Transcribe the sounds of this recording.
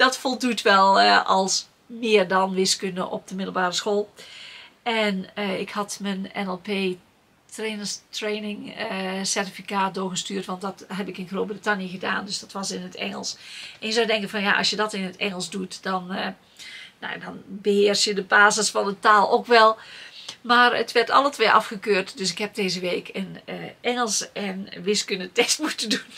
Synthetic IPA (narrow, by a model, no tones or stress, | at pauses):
d̥ɔtfolˠdutʰʋɛlˠɑlˠs | mɪːərdɑnʋɪskøndə̰ʔɔ̰p̚d̥əmɪdl̩ˠbaːrəsxoːlˠ | ʔɛnəɪkhɑtmənɛ̰nɛlˠpeː | trenəstreːnɪŋəsɛrtifikaːt̚doːɹɣəstyːrtʋɑntdɑtɦɛbɪkɪnɣroːbritanjəɣəda̰ːndøsd̥ɔtʋɑsɪnətʰɛ̰ŋəlˠsʔɛnjəzɔwdɛŋkənvɔnja̰ʔɔ̰sjədɔtɪnətʰɛŋəlˠsdutdɔn | no̰dɔnbəhɪərsjədəbaːzəsfɑndətaːlˠokʋɛlˠmaːrə̰tʋɛrtɑ̰lətʋeːʔɑfxəkøːrtdøsɪkɦɛp̚deːzəʋeːkʰənʔɛŋəlˠsɛnʋɪskønətɛstmutədun